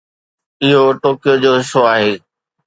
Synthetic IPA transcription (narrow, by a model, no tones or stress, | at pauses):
ɪɦoʈoːkijod͡ʑoːɦɪsoaːɦeː